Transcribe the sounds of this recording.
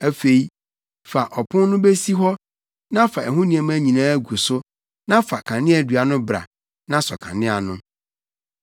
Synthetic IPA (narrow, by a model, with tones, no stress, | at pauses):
æ˦fe˨i˦ | fa˨ʔɔ˨pʰʊ̃˦nnʊ̃˦be˦si˦ɦɔ˦ | nã˦fa˨ɛ˨ɦũ˦nĩ˨ɛ̃˨m˦æ˦ɲĩ˨nãː˦ɡu˨sʊ˦ | nã˦fa˨kʰã˨nɪ̃˦æ˨dɥa˨nʊ̃˦bɾa̰˨ | nã˦sɔ̰˨kʰã̰˨nɪ̃˦a˨nʊ̃˦